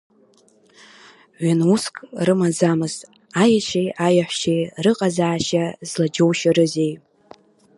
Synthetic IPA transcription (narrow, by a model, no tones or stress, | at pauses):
ʕʷanuskʼrɨmazamɨztʼ | ajaʃʰejʔajaħʷʃejrɨqʼazaːʃazlad͡ʒowʃaɾɨzej